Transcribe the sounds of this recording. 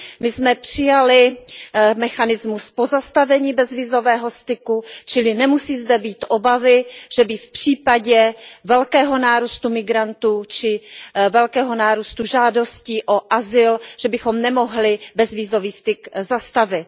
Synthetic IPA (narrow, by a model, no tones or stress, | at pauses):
mɪsmɛpr̥ɪjalɪ | mɛxanɪzmuspo̞zast̪avɛɲiːbɛzviːzo̞vɛːɦo̞st̪ɪkut͡ʃɪlɪnɛmusiːzdɛbiːt̪ʔobavɪʒ̥ɛbɪfpr̝̥iːpaɟɛvɛlkɛːɦo̞naːɾust̪umɪɡɾant̪uːt͡ʃɪvɛlkɛːɦo̞naːɾust̪uʒaːdo̞sciːʔo̞ʔazɪlʒ̥ɛbɪxo̞mnɛmo̞ɦlɪbɛzviːzo̞viːst̪ɪkzast̪avɪt̪